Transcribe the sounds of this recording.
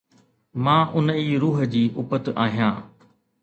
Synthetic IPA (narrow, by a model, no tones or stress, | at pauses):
mãːʔʊniːɾuːɦəd͡ʑiːʔʊpət̪aːɦijãː